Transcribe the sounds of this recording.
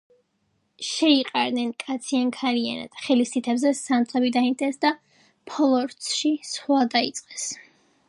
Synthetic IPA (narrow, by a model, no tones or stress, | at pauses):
ʃɛiqʼaɾnɛnkʼat̪sʰiankʰaɾia̰na̰d̪̥χɛlist̪ʰit̪ʰɛbzɛsant̪ʼʰɛbid̪aint̪ʰʼɛsd̪a | pʰɔlˠɔɾt̪sʃisχwad̪ait̪sʼqʼɛs